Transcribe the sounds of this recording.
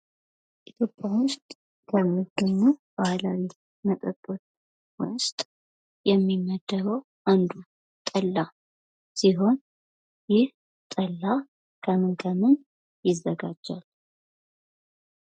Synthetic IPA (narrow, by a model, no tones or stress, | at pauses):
ʔit̪ʰjo̞pʼjawʊst̪ʼ | kʰəmːiɡəɲːub̥ahlawi | mək̪ʼəkʼːət̪ | wʊst̪ʼ | jɛmːimːəd̪ːəɾəw | ʔand̪u | t̪ʼəlːa | siɦo̞n | jɪh | t̪ʼəlːa | kʰəmɨŋkʰəmɨn | jɪzːəɡad͡ʒːal